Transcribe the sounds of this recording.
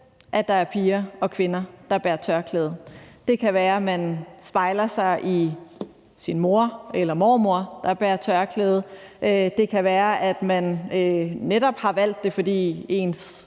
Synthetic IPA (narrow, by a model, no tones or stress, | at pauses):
ʔæd̥ɑ̈æɐpʰiːɐɒ̽kʰʋe̝nɐd̥ɑ̈b̥æɐt͡sʰɶɐkʰlḛːð̩ˠd̥e̝kʰæʋæːɐmænsb̥ɑ̈ɪlɐsɑ̈ɪʔi | sinmo̝ɐ̰elɐmɒːmo̝ɐ̰d̥ɑ̈b̥æɐt͡sʰɶɐkʰleːð̞̩ˠʔød̥e̝kʰæʋæːɐʔæd̥mænøːeɾɒ̽b̥hɑ̈ʋæl̰d̥ːe̝fɒ̽d̥ḭːe̝̰ːns